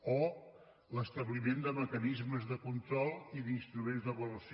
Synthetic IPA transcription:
o | ləst̪əβlimend̪əməkənizməzðəkunt̪ɾɔlˠiðinst̪ɾumẽnzðəβələs

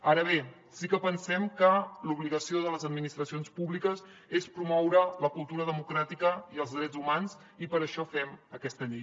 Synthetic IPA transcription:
aɾəβ̞e | sikəpənsɛmkəluβliɣəsioðələzəd̪̚minist̪ɾəsionspuβlikəz | espɾumɔwɾələkulˠt̪uɾəðəmukɾat̪ikəiəlˠzðɾɛd͡zumanz | ipəɾəʃɔfɛməkɛst̪əʎej

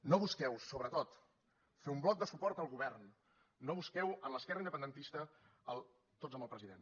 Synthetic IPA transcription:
noβuskɛwsoβɾət̪ot̪ | feumblɔk̚d̪əsupɔɾt̪əlˠɣuβɛrnː | oβuskɛwənləskɛrəind̪əpənd̪ənt̪ist̪ə | əlˠ | t̪od͡zəmbəlˠpɾəziðen

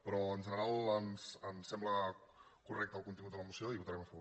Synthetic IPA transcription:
pɾɔənʒənəɾalˠənsənsːɛmbləkurɛk̚t̪əlˠkunt̪iŋɡut̪ələmusioiβut̪əɾɛməfəβo

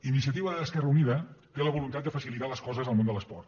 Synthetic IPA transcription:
inis̬iət̪iβəðəskɛrəuniðət̪eləβulunt̪at̪d̪əfəsilit̪aləskɔzəzəlˠmond̪ələspɔrt̪

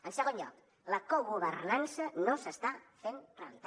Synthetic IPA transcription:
ənsəɣ̞onʎɔ̰k | ləkoɣuβərnansənosəst̪afenreəlit̪a

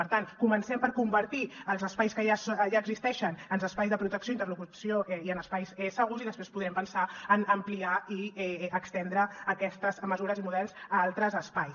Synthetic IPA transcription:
əɾt̪ankumənsɛmpəɾkumbəɾt̪iəlˠzəspajskəaʒaəɡzist̪ɛʃənənzəspajzðəpɾut̪əksijoint̪ərlukusioʔɛiənəspajsɛsəɣuziðəspɾespuðɾɛmpənsaənəmpliaiɛəkst̪ɛnd̪ɾəːkɛst̪əzməzuɾəzimuðɛlˠzalˠt̪ɾəzəspaj

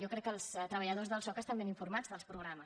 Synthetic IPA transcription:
jɔkɾɛkːəlˠst̪ɾəβəʎəðozðəlˠsɔkəst̪ambeniɱfurmad͡zðəlˠspɾuɣɾamə

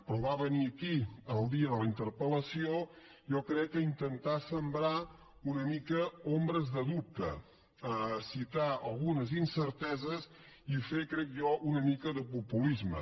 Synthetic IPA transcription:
pɾɔβaβəniəkiəlˠd̪iəðələint̪əɾpələsio | ʒɔkɾɛkːəint̪ənt̪asəmbɾa | unəmikəombɾəzðəðup̚t̪ə̰ | əsit̪aəlˠɣunəzinsəɾt̪ɛzəz | ifekɾɛk̚ʒɔʔunəmikəðəpupulizmə̰

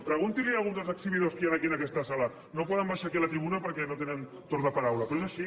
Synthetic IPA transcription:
pɾəɣ̞unt̪ilialˠɣunzd̪əlˠzəksiβiðoskijanakiənakɛst̪asala | nopɔðəmbajʃakiəlat̪ɾiβunəpəɾkɛnot̪enən | t̪oɾəpaɾawlɐpɾoezaʃi

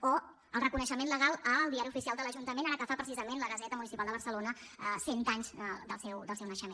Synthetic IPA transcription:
o | əlˠrəkunəʃəmenləɣ̞alˠəːlˠd̪iaɾiufisialˠd̪ələʒunt̪əmenaɾəkəfapɾəsizəmenləɣəzɛt̪əmunisipalˠd̪əβəɾsəlonə | əsent̪aɲzəd̪əlˠsɛwd̪əlˠsɛwnəʃəmen

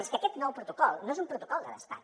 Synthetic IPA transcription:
skəkɛt̪nɔwpɾut̪ukɔlˠnoezumpɾut̪ukɔlˠd̪ə̰ə̰spa̰ɲ

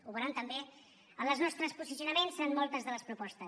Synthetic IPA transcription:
uβəɾant̪əmbe | ənləznɔst̪ɾəspusiziunəmensɾanmɔlˠt̪əzðələspɾupɔst̪əs

